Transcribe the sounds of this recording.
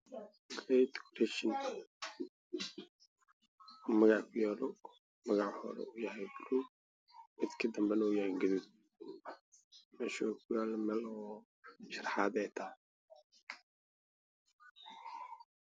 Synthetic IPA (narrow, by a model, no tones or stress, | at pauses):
ɡlɛjt̪kʰɾɛʃɪn | mɐɣɑʕkʰʊjaːlɔ | mɐɣɑʕhɔ̰ɾɛ̰ujɐɦɛjbʊlu | mɪd̪kʰɐd̪ɐmbɛnuːjɐhɛjɡɐðuːd̪̚ | mɛːʃɔkʰʊjaːlmɛlɔ | ʃɑrħɑːd̪ɛjt̪ʰɐhɛ